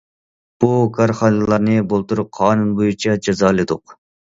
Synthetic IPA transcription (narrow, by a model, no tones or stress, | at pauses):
b̥ukʰɑɾχɑːnɨlˠɑɾnɨbolˠt̪uɾʊqʰːɑːnunbojut͡ʃʰɑd͡ʒɑzɑːlˠɨd̪ʊq